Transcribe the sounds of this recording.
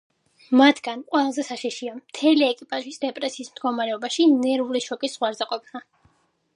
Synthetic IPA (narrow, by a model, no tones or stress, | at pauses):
mat̪ʰɡ̥anqʼwɛlˠazɛsaʃiʃiamt̪ʰɛliɛkʼipʼaʒisd̪ɛpʼɾɛsiːsmd̪̚ɡɔmaɾɛɔbaʃinɛɾuliʃɔkʼisz̥ʁwaɾzɛqʼɔpʰna